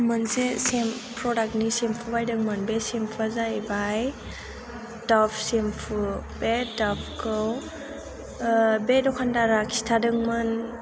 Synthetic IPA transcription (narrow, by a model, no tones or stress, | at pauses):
mɯnsesempɾɔdak̚nisempʰubajdɯŋmɯnbesempʰazajbaj | tɔpʰsempʰub̥etapʰkʰɯw | bedɔkʰandaɾakʰi̥stʰadɯŋmɯn